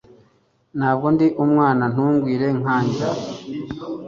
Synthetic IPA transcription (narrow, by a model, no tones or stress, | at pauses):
n̥aːb̚ɡo̞ndiʔumŋaːnan̥uːŋɡwiːɾe̞ŋaːɲɟa